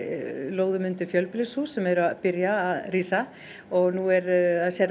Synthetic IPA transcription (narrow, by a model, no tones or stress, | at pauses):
loːwðʏmʏnt̪ʏfjœlplɪsusːɛmɛðɾʏaðpɪɾjaːðriːsa | ɔɣnuɛɾasjɛɾ